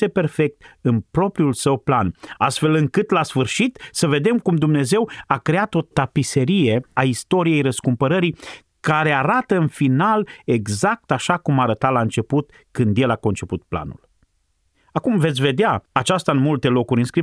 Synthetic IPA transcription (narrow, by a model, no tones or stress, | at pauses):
epe̞rfe̞k̚t̪ɨnpɾo̞pɾiulsəwplana̰st̪fe̞lɨŋkɨt̪lasfɨrʃit̪səve̞d̪e̞mkumd̪umne̞ze̞wakɾe̞at̪o̞t̪apise̞ɾije̞aist̪o̞ɾije̞jɾəskumpəɾəɾi | kaɾe̞aɾat̪əɨnfinale̞ɡzak̚t̪aʃakumaːɾət̪alaɨnt͡ʃe̞put̪ | kɨnd̪je̞lako̞nt͡ʃe̞put̪̚pla̰nṵl | akumve̞t̪sʲve̞d̪eaat͡ʃast̪aɨnmult̪e̞lo̞kuɾʲɨnskɾi